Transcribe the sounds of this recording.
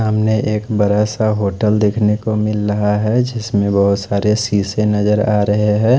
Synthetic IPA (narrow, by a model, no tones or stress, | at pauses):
amneʔeːkbɐɾəːsaɦoːʈəld̪eːkʰnekomɪlɾɐɦaɦɛd͡ʒɪsmẽbɐɦʊt̪saːɾesiːsenɐd͡ʒəɾaːɾɐɦeɦɛ̃ː